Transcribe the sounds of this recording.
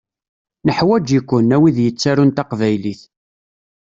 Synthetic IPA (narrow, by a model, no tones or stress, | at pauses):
nəħwæd͡ʒjikʷːʊnːæwiðjət͡sːæɾunt̪aqvæjliθ